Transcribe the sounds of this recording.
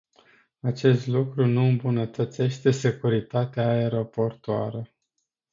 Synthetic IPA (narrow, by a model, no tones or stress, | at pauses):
at͡ʃe̞st̪lukɾunuɨmbunət̪ət̪se̞ʃt̪e̞se̞kuɾit̪at̪eaeɾo̞po̞rt̪oaɾə